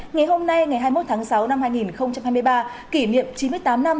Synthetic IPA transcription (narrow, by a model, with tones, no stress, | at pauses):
ŋa˨˩jɦo˧mna˧jŋa˨˩jɦaː˧jmo˦˥t̪̚ʰaː˨˦ŋsa˨˦wna˧mhaː˧jŋi˨˩nxə˧wŋ͡mt͡ɕa˧mɦaː˧jmɨ˧jɓaː˧ | ki˧˩nḭ˧˨əmt͡ɕi˨˦nmɨ˧əjt̪aː˨˦mna˧m